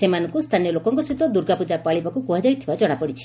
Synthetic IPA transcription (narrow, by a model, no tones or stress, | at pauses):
semanɔ̃ŋkust̪ʰanijɔlokɔŋkɔsid̪ɔd̪uɾɡapud͡ʒapaɭibakukuɦad͡ʒajt̪ʰibad͡ʒɔɽ̃apɔɽit͡ʃʰi̥